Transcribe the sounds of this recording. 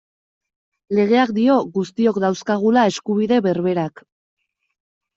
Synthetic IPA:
le̞ɣ̞e̞ak̚d̪io̞ɣust̪io̞kd̪awskaɣ̞ulae̞skuβiðe̞βe̞ɾβe̞ɾak

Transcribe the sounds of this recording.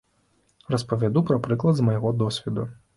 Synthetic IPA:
rɐspɐvʲad̪upɾɐpɾɨklˠɐd̪zmɐjɔɣɔd̪ɔsʲʋʲid̪u

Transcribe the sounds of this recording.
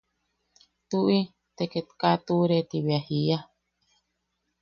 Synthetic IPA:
t̪uʔi | t̪eket̪kat̪uɾet̪iβiahia

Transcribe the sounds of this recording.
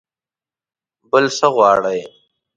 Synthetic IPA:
bəlsəɣwɑːɽɐj

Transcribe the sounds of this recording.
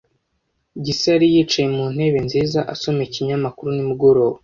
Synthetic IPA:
ɟiseaɾijiːt͡ʃajemuːn̥he̞βe̞nziːzaʔaso̞me̞ciɲamakuɾunimuɡo̞ɾo̞ːwa

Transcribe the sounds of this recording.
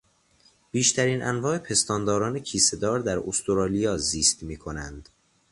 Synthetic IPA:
b̥iːʃt̪ʰæɾiːnʔæ̰nvɒːepʰe̞st̪ɒːnd̪ɒːɾɒːnecʰiːse̞d̪ɒːɾd̪æɾost̪ʰoɾɒːlijɒːziːst̪miːkʰo̞nænd̪̥

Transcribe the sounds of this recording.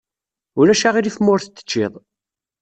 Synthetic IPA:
ʊɾæʃaʁiɾiθmʊɾθət͡s̪ːə̥t͡ʃːɪðˤ

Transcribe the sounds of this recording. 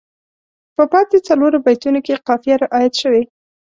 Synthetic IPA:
pəpɑt̪et͡saloɾobajt̪unokeqɑfijaɾɪʔɑjat̪ʃəwe

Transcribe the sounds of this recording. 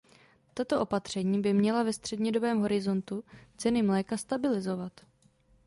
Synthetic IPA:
t̪at̪o̞ʔo̞pat̪r̝̥ɛɲiːbɪmɲɛlavɛst̪r̥ɛdɲɛdo̞bɛːmɦo̞ɾɪzo̞nt̪ut͡sɛnɪmlɛːkast̪abɪlɪzo̞vat̪

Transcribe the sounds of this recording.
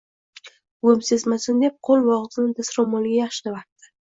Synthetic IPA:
ɡomsezmasʊnd̪ep̚qʰolˠvɒʁzɪnɪd̪asɾomolɪɡʲajaχʃɪ̥d̪avat̪ːɪ̥

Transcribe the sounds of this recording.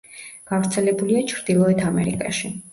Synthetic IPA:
ɡ̥avɾt̪sʰɛlɛbuliat͡ʃʰɾd̪̥ilˠɔɛt̪ʰamɛɾḭkʼa̰ʃi

